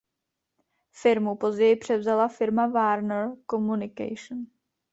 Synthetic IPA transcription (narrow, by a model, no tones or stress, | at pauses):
fɪɾmupo̞zɟɛjɪpr̝̥ɛvzalafɪɾmavaːɾnɛɾko̞munɪka̰jʃn